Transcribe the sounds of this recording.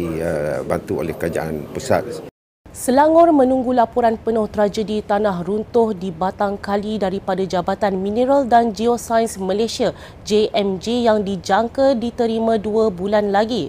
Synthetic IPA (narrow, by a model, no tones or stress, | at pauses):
əba̰nt̪uo̰lɛhkəɾad͡ʒa̰ʔa̰npəsa̰t̪̚ | səlaŋɔrmə̃nũŋɡulapuɾanpənʊht̪əɾad͡ʒədit̪anaɦrunt̪ʊhdibat̪aŋkalidaɾipadad͡ʒabat̪anmĩnəɾaldand͡ʒiosajnsmə̃lesia | d͡ʒeʔɛmd͡ʒejaŋdid͡ʒaŋkadit̪əɾimãduabulanlaɡi